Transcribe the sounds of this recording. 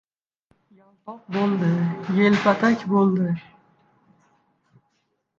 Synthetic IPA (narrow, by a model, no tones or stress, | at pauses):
jalˠpɒq̚bolˠd̪ɪjelpat̪ʰakʲbolˠd̪ɪ